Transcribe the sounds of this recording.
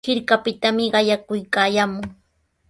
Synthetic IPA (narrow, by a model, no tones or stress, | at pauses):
hɪɾkapɪt̪amɪɢɑjakʊjkaːjaːmʊŋ